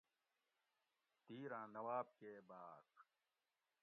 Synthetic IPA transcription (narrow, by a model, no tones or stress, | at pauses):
t̪iːɾãːnɐwaːb̚keːbaːt